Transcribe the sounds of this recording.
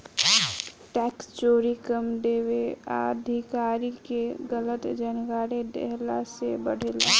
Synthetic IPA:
ʈɛkst͡ʃoːɾikəmd̪eːwea̰d̪ʱikaːɾikeɡələt̪d͡ʒənɡaːɾed̪ḛɦlasebəɽ̤ela

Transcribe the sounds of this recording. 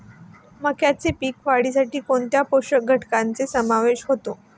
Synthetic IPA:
məkjat͡sepiːkʋaɽis̬aʈiːkoɳt̪japoɕəɡʱəʈkant͡sesəmaʋeɕɦot̪o

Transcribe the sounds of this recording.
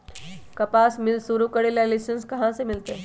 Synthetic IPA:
kɐpaːsmɪlsuɾukəɽeljalisənskɐɦãsemɪlt̪e

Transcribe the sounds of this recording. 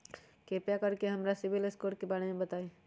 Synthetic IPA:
keːpjakəɾkeɦɐmɾasɪʋileskoːɾ̚kebaːɽemẽbət̪aːe

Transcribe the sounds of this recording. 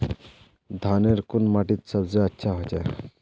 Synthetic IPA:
d̪ʱaneɾkunmaʈit̪səbzeətːɕʰaɦot͡ʃa̰

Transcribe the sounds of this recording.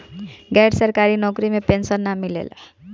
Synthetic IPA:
ɡɛjɖsəɾkaɾinɔkɾimepensənːamilḛl

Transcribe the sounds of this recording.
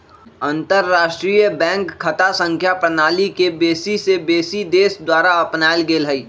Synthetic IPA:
ə̃nt̪əɾːaːʃʈɾiːjəbɛ̃ːŋkkʰːət̪asə̃ŋkʰjapɾənaːlikebeːsisebeːsid̪eːsd̪waːɾaɐpnaːɪlɡeːlɦəiː

